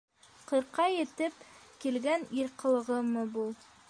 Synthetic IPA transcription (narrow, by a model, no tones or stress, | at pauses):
qʰɤ̆ɾqɑjet̪ɘpkilɡæniɾqɤ̆lˠɤ̆ʁɤmɤbulˠ